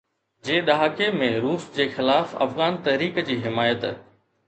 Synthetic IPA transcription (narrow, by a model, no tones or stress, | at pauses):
d͡ʑeːɗɐɦaːkemẽɾuːsd͡ʑeːxɪlaːfɐ̰fɣaːnt̪ɐɦɾiːkd͡ʑiːɦɪmaːjət̪